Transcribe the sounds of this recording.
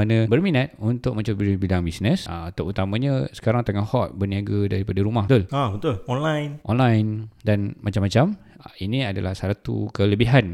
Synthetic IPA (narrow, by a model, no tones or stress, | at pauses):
anəbərminat̪̚unt̪ʊk̚mə̃t͡ʃabilabidaŋbisnəsat̪aʔut̪amãɲəsə̥kaɾaŋt̪əŋahhɔt̪̚bərniaɡadaɾipadaɾumaht̪ʊlabət̪ʊlɔnlajnʔɔnlajndanmat͡ʃamːat͡ʃam | inĩadalahsaɾat̪ṵkələbiɦan